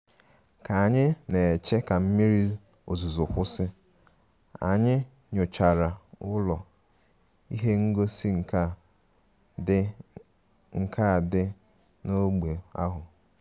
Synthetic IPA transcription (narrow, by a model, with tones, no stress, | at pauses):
ka˨a˨ɲɪ˦ne˨t͡ʃe˦ka˨m̩˦mi˦ɾi˦ | o̰˨zu˨zʊ˨kʷʊ˦sɪ˦ | a̰˨ɲɪ˦ | ɲo˨t͡ʃa˨ɾa˨ʊ˦lɔ˨ | i˦ɦe˦ŋ̩˦ɡo˦si˦ŋ̩˨˦ | ŋ̩˨kʰa˦˨dɪ˦ | no˦ɡ͡be˨a̰˦ɦʊ˨